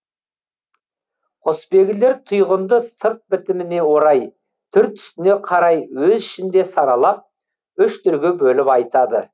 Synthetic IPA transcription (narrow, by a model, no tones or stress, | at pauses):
ospe̞ɡʲɪle̞ɾt̪ʰʊjʁənd̪əsəɾt̪̚bɪt̪ɪmɪne̞wo̞ɾɑj | t̪ʰʏɾt̪ʰʏ̥st̪ɪne̞qʰɑɾɑjwɵzɪʃɪnd̪e̞sɑɾɑlˠɑp̚ | ʏʃt̪ʰʏɾɡʲɪbɵlɪpɑjt̪ɑd̪ə̰